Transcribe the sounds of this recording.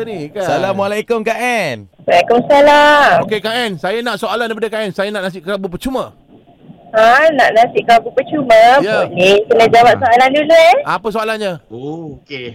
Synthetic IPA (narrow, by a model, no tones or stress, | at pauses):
nikasalamalajkʊmkaʔan | alakʊmsalaokekaʔansajanãʔsoalandaipadəkaʔansajanaʔnas̬ɪʔkəabup̬ət͡ʃumə | ãnaʔnãsɪʔkɾabupət͡ʃumə̃jalikənə̃d͡ʒawap̚soʔalandulueapəs̬oalanɲaoke